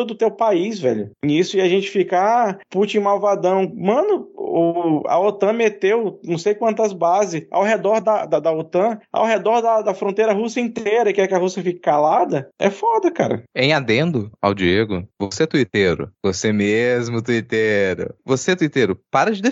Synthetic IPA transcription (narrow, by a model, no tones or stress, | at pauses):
od̪ʊt̪ewpaizvɛʎʊẽisʊɪɐʒẽnt͡ʃɪ̥fikɐaput͡ʃẽj̃mawvad̪ɐ̃w̃mɐ̃nʊʊɐ̰ot̪ɐ̃met̪ewnɐ̃w̃sejkwɐ̃nt̪ɐzbazɪa̰wɦed̪ɔɾd̪ɐd̪ɐd̪ɐot̪ɐ̃a̰wɦed̪ɔɾd̪ɐd̪ɐfɾõnt̪ejɾɐɦusɐĩnt̪eɾɐkɪɛkɪɐɦusiɐfikɪ̥kalad̪ɐɛ̰fɔd̪ɐka̰ɾɐ̰ẽj̃ad̪ẽnd̪ʊa̰wd͡ʒieɡʊvoset̪uit̪eɾʊ̰vosemezmʊt̪uit̪eɾʊ̰voset̪uit̪eɾʊpaɾɐd͡ʒɪd̪e